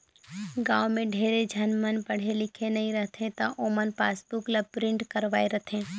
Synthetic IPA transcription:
ɡaːwmẽɖʱeːɾed͡ʒʱɐnmənpɐɽ̤elɪkʰenɐɦĩɾəɦt̪ʰẽt̪aʔoːmənpaːsbukləpɾɪ̃ɳʈkɐɾʋaːeɾɐt̪ʰẽː

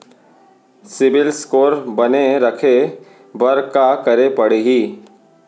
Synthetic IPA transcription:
sɪbɪlskoːɾbɐneɾɐkʰe | bəɾkakɐɾepɐɽeɦiː

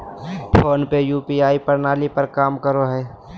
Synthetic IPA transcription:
pʰoːnpejuːpiːaːipɐɾnaːlipəɾkaːmkəɾoɦɛː

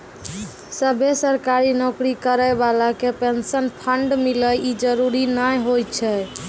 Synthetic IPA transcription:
səbʱesəɾkaɾinɔkɾikəɾəjbalakepensənpʰəɳɖmiləjid͡ʒəɾuɾinajɦojt͡ʃʰɛ

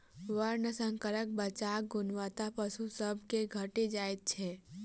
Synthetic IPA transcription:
ʋəɾnəsə̃ŋkəɾək̚bət͡ʃaːk̚ɡʊnʋat̪apəsusəbʱkeɡʱəʈed͡ʒaːet̪̚t͡ʃʰɛː

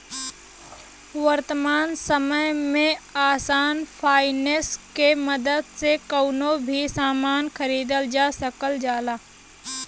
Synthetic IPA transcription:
ʋəɾt̪əmaːnsəməjmẽaːsaːnpʰaːɪneskeməd̪əd̪sekəːnobʱisaːmaːnxəɾiːd̪əld͡ʒaːsəkəld͡ʒaːlaː

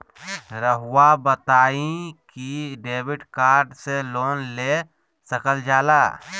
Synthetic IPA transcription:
ɾəɦʊwabət̪aːĩkiɖeːbɪʈkaːɾɖseloːnleː | səkəld͡ʒaːlaː

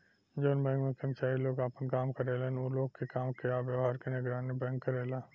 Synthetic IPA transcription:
d͡ʒoːnbɛ̃ːŋɡmẽkɐmt͡ʃaːiloːɡaːpənkaːmkɐɾeːlenoːloːɡkekaːmkeaːʋjɐʋɦaːɾkenɪɡɾaːnebɛ̃ːŋkːɐɾeːlaː

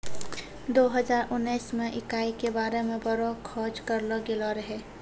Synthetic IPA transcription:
d̪oːɦəzaːɾʊnːiːsmẽʔɪkaːikebaːɾemẽbɐɾokʰɔːd͡ʒkəɾloɡɪloɾɐɦeː

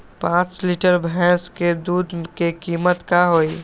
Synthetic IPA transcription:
pãːt͡ʃlɪʈəɾbʱɛ̃ːsked̪uːd̪kekiːmət̪kaɦoːiː

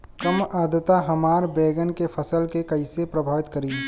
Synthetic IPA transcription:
kəmaːd̪ət̪aɦɐmaːɾbeːɡənkepʰəsəlkekɐɪsepɾəbʱaːʋɪt̪kəɾiː

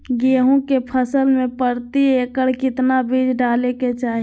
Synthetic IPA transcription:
ɡeːɦõkepʰəsəlmẽpəɾt̪ieːkəɽkɪt̪nabʱiːd͡ʒʱɖaːleket͡ʃaːɦi

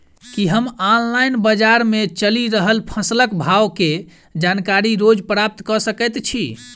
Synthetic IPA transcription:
kiɦəmanlajnbəd͡ʒaɾmet͡ʃəliɾəɦəlpʰəsləkbʱawke | d͡ʒankaɾiɾod͡ʒpɾap̚t̪kɔsəkɛt̪t͡ʃʰi

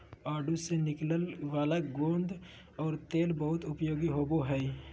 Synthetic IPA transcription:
aːɖusenɪkləlʋaːlaɡõːnd̪ʱ | ɔːɾt̪eːlbəɦʊt̪ʊpjoːɡiɦoːboɦɛː

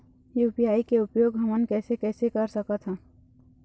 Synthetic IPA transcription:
jupijaːikeʊpjoːɡɦəmənkɛːsekɛːsekəɾsəkət̪ʰɦɛ̃

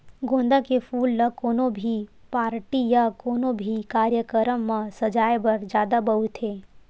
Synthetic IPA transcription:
ɡõːnd̪akepʰuːlnəkoːnobʱipaːɾʈijakoːnobʱikaːɾjəkəɾəmːãsəd͡ʒaːjbəɾd͡ʒjaːd̪abɐɦut̪ɦeː

